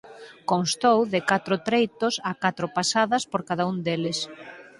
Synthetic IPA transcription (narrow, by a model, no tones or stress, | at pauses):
konst̪owðɪkat̪ɾʊt̪ɾejt̪ʊsakat̪ɾʊpasaðɐspoɾkaðaund̪elɪs